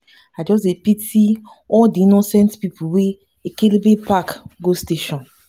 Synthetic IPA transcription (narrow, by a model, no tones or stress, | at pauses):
ad͡ʒɔs̬tepiti | ɔldiinosɛ̃ntpipʰuwe | ekelibepakɡosteʃɔ̃n